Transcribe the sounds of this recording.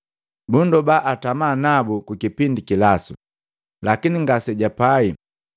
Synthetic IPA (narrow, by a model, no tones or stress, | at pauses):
bundɔbaʔatamaːnabukuikipindikilasu | lakiniŋɡasɛɟapai